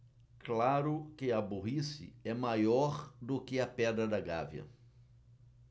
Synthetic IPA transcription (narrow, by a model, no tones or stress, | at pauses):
klaɾʊkɪɐboɦisɪ̰ɛmajɔɾd̪ʊkɪɐpɛd̪ɾɐd̪ɐɡa̰vjɐ̰